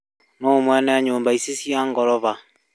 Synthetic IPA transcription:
noːmwɛnɛaɲoːmbaisesiaŋɡɔlɔβa

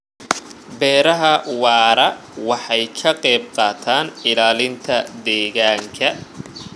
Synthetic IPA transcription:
bɛːɾɐɦɐwɑːɾɐ | wɑħɑjkʰɐqɛːb̚qɑːt̪ʰaːnɪlaːlɪnt̪ʰɐd̪ɛːɣaːŋkʰɐ

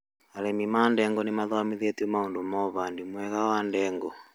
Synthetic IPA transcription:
alɛmimandɛŋɡɔnimaðɔamiðɛt̪iɔmaundumɔβandimwɛɣawandɛŋɡɔ

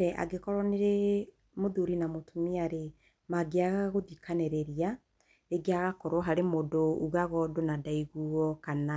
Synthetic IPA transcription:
ɛʔa̰ɡekɔɾɔneɾe | moðuɾinamotʰomiaɾe | maɡeaɣaɣoðikʰanɛɾɛɾia | eɡeaɣakɔɾwɔɦaɾemodouɣaɣɔdonadaiɣuɔkana

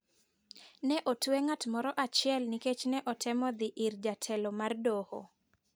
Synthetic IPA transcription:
nɛʔotweŋatmɔɾɔʔat͡ʃɪɛlniket͡ʃnɛʔɔtʰɛmɔd̪ɪʔɪrd͡ʒatʰɛlɔmardoho̰

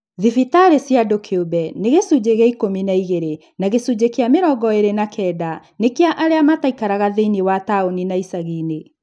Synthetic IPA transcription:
ðifitaɾesjadokʰeobɛneɣesud͡ʑeɣɛikominaiɣeɾe | naɣesud͡ʑekeameɾɔːɡɔeɾenakʰɛːda | nekeaʔaɾeamataikaɾaɣaðeniwataoninaisaɣine

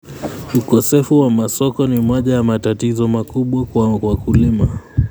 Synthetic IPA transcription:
ukɔsɛfuwamasɔkɔnimɔʄajamatatizɔmakuɓwawakulima

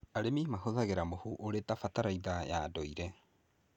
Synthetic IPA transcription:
aɾemimaɦoðaɣeɾamohuʔoɾetafataɾaiðajadoiɾɛ

